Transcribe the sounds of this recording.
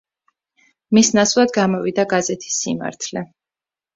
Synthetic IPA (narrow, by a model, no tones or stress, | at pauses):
misnasvlˠad̪ɡamɔvid̪aɡazɛt̪ʰi̥sːḭma̰ɾt̪ʰlɛ